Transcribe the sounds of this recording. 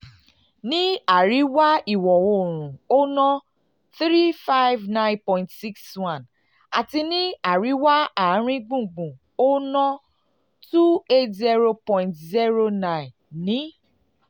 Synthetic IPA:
nĩ˦a˦˨ɾi˨˦wa˦i˨wɔ˨wo˧˨ɾ̃ũ˨o˦nɔ̃˦ | θɾi˦fa˦jvnã˦j̃npɔ̃˧˨ĩ˨ntsi˦kswã˦˨n | a̰˨ti˧nĩ˦a˨ɾi˨˦wa˦a˦˨˦ɾ̃ĩ˦ɡ͡bũ˦˨ɡ͡bũ˨ | o˦nɔ̃˦ | tu˦e˦tzi˦ɾo˧pɔ̃˧˨ntzi˦ɾo˧nã˦˨ĩ˨n | nĩ˨˦

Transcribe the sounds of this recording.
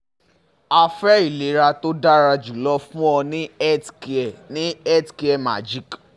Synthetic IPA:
a˧fɛ˦i˨le˨˦ɾa˧to˦da˦ɾa˧d͡ʒu˨lɔ˦fũ˦ɔ˧nĩ˦ɛ˦tki˨ɛ˨nĩ˨˦ɛ˦tki˧˦ɛ˦˨ma̰˨d͡ʒi˦˨k

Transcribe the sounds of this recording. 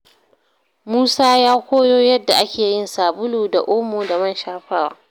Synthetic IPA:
muː˦saː˦jaː˦kʷoː˦joː˦jɐ˦dːa˨ʔa˦kʲʰeː˨jɪ˦˨nsaː˨bʊ˦luː˨da˨ʔoː˦moː˨da˨mɐ˦˨nʃaː˦ɸaː˦˨wa̰ː˦

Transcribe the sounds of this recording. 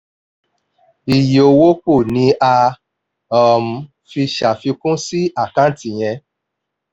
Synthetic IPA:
i˨jo˧wo˦k͡po˦˨nĩ˨˦a˧ | ɔ˨m̩˨ | fi˧ʃa˨fi˧kũ˦si˦ʔa˦˨kã˦ti˧˨j̃ɛ̃˧

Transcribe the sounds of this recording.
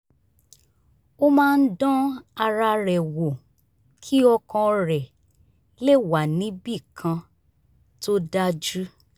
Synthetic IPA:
o˦mãː˦˧n̩˦dɔ̃˦a˧ɾa˧ɾɛ˨wo˨ | kʰi˦ɔ˧kɔ̃˧ɾɛ˨ | le˦˨wa˨nĩ˨˦bi˦˨kʰã˧ | to˦da˦d͡ʒu˦

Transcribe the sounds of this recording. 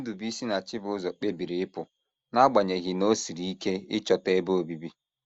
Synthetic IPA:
du˨bi˦si˦na˨t͡ʃɪ˦bʊ˨˦zɔ˨k͡pe˦bi˨ɾi˨ɪ˦pʊ˨ | na˦ɡ͡ba˨ɲe˨ɣɪ˨no˦si˨ɾi˦i˦ke˦ɪ˦t͡ʃɔ˨te˦bo˦o˨bi˨bi˦

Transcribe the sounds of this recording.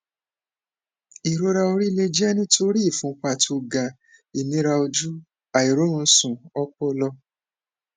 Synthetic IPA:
i˨ɾo˦ɾa˧o˧ɾi˦le˧d͡ʒi˦ɛ˦nĩ˦tʰo˧ɾi˦i˦˨fũ˨˦k͡pa˧˨tʰo˧ɡa˨ | i˨nĩ˨˦ɾa˧o˧d͡ʒu˦ | a˨i˨ɾo˨˦ɾũ˧sũ˨ɔ˧k͡pɔ˧lɔ˧

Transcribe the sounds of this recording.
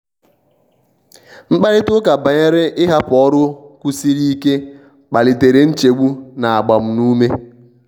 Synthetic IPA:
ŋ͡m̩˦k͡pa˦ɾɪ˦tʊ˦ka˨ba˨ɲe˦ɾɪ˦ɪ˦ɦa˦pɔ˦ɾʊ˦kʷu˦si˦ɾi˦i˦ke˦ | k͡pa˨lɪ˨te˨ɾe˨n̩˦t͡ʃe˨ɡ͡bu˦na˨a˨ɡ͡ba˨m̩˨˦nu˦me˦

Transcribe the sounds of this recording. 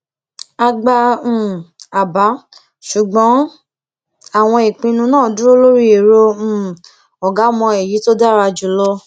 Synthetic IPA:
a˧ɡ͡bã˧˦˨a˨ba˨˦ | ʃu˨ɡ͡bɔ̃˨˦ | a˦˨w̃ɔ̃˧i˨k͡pĩ˧nũ˧nãː˦˨du˦o˦lo˦ɾi˦e˨ɾõ˧˦˨ | ɔ˨ɡa˨˦mɔ̃˧e˨ji˨˦to˦da˦ɾa˧d͡ʒu˨lɔ˦

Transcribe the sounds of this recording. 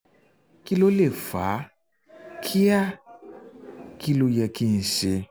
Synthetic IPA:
ki˦lo˦le˦˨fa˨˦ | kʰi˦a˦ | ki˧lo˧jɛ˨˧ki˧n̩˨ʃe˧

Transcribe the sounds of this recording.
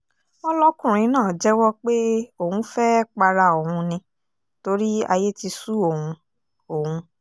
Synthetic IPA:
ɔ˦lɔ˦kũ˦˨ɾ̃ĩ˨˦nãː˦˨d͡ʒɛ˦wɔ˦k͡pe˦o˨hũ˨˧˦fɛ˦k͡pa˧ɾa˧o˨hũ˧nĩ˧ | to˧˦ɾi˦a̰˧je˦ti˧su˦o˨hũ˧ | o˨hũ˧

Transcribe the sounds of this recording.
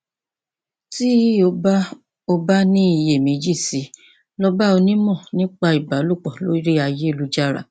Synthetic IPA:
ti˦o˧ba˦ | o˧ba˦nĩ˦i˨je˨mĩ˨˦d͡ʒi˦˨si˨˦ | lɔ˦ba˦o˧nĩ˦mɔ̃˦˨nĩ˦k͡pa˧i˨ba˨˦lo˦˨k͡pɔ˨lo̰˨˦i˦ɾi˦a˧je˦˨lu˧d͡ʒa˦ɾa̰˦˨

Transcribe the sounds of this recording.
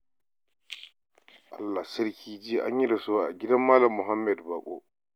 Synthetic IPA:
ʔa̰˨lːa˨sɐ˦ɾkʲʰiː˦d͡ʒiː˦ʔa̰˦ɲji˦ɾa˨su˦wa˨a̰˨ɡʲi˦da˦mːaː˦lɐ˨mːʊ˨ɦa˦mːɛ˨dba˨ɓɔ̰˦

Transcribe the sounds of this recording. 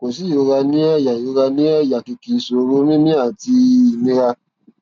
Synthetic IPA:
ko˨si˦jo˧ɾa˧nĩ˦ɛ˦˨ja˨jo˨˧˦ɾa˧nĩ˦ɛ˦˨ja˨ki˧ki˨˧so˧ɾo˦mĩ˦mĩ˦a˦˨ti˧i˨nĩ˦ɾa˧

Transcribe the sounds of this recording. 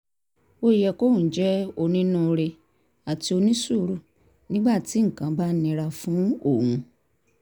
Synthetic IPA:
o˧˦i˨jɛ˨ko˦˨d͡ʒɛ˦o˧nĩ˦nũ˦˧ɾe˧ | a˨ti˧˦o˧nĩ˦su˦˨˦ɾu˦˨ | nĩ˦ɡ͡ba˦˨ti˨˦ŋ̩˨kã˨˦ba˦nĩ˧ɾa˧fũ˦o˦˨hũ˧

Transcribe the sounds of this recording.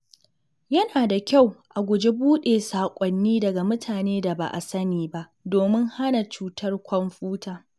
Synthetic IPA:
jɐ˦naː˨da˨kʲa˦˨wʔa˨ɡʷʊ˨d͡ʒe˦buː˦ɗeː˨saː˨kʷʼɔ˨nːiː˦dɐ˨ɡa˨mʊ˦tʰaː˨neː˦da˨ba̰˨ʔa̰˨sɐ˦niː˨ba˦ʔdoː˨mɪ˦ŋha˦na˨t͡ʃuː˦tʰɐ˦rkʷʰɔ˦mɸuː˦taː˨

